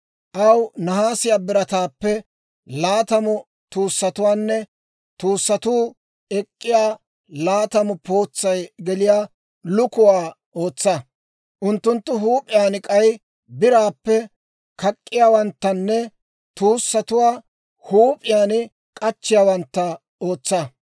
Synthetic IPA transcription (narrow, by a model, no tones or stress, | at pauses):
ʔɐwnɐhaːsɪjaːbɪɾɐt̪aːpːɛ | laːt̪ɐmʊ | t̪uːsːɐt̪ʊwaːnːɛ | t̪uːsːɐt̪uː | ɛkʼːɪjaː | laːt̪ɐmʊpo̞ːt͡sːɐjɡɛlɪjaː | lʊkʊwaː | ʔo̞ːt͡sːɐ | ʔʊnt̪ːʊnt̪ːʊɦuːpʼɪjaːnɪkʼɐj | bɪɾaːpːɛ | kɐkʼːɪjaːwɐnt̪ːɐnːɛ | t̪uːsːɐt̪ʊwaː | huːpʼɪjaːnɪ | kʼɐt͡ʃːɪjaːwɐnt̪ːɐ | oːt͡sːɐ